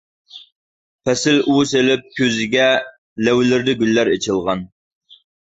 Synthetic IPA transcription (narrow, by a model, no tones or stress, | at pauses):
pʰɛsɪlʔuselɪp̚kʲʰøzɪɡʲɛ | læwlɪɾd̪ɪɡʲylːæɾet͡ʃʰɨlˠʁɑn